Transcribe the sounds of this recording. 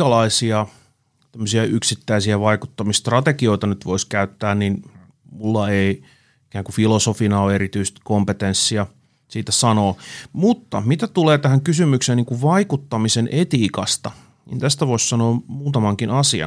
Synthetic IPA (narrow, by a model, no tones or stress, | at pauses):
ɑlɑisiɑ | t̪æmːøsiɑyksit̪ːæisiæʋɑikut̪ːɑmist̪rɑt̪ekioit̪ɑnyt̪ʋoiskæyt̪ːæːnnin | mulːɑei | ikæːŋkufilosofinɑoeɾit̪yist̪kompet̪ensːiɑ | siːt̪æsɑnoːmut̪ːɑ̰mit̪æt̪uleːt̪æhæŋkysymykseːniːŋkuʋʋɑikut̪ːɑmisenʔet̪iːkɑst̪ɑ | nḭnt̪æst̪æʋoissɑnoːmuːt̪ɑmɑŋkinɑsiɑ̰